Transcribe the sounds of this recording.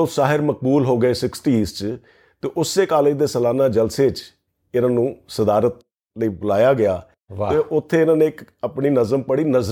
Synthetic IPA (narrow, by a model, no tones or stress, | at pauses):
osaːɦɪɾmək̚buːlɦoːɡəeːsɪksʈiːst͡ʃ | t̪eːʔʊsːeːkaːled̪eːsəlaːnaːd͡ʒəlseːt͡ʃ | ɪnãːnũːsəd̪aːɾət̪̚ | ləiːbʊlaːjaːɡɪaː | eːʔʊt̪ʰːeːɪnãːneːɪkəpɳiːnəzəmpəɽiːnəz